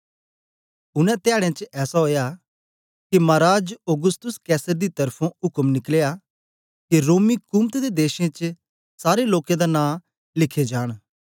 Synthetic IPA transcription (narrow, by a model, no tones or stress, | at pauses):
ʊnɛ̃t̪ɪjaːɽ̃ẽt͡ʃɛːsaɦoːja | kimaːɾaːd͡ʒoɡʊst̪ʊskɛːsəɾd̪it̪ɐɾpʰõʊkəmnɪkleja | kiɾoːmikʊːmt̪d̪ed̪eːʃẽt͡ʃ | saːɾeloːkẽd̪anãː | lɪkʰːed͡ʒaːɽ̃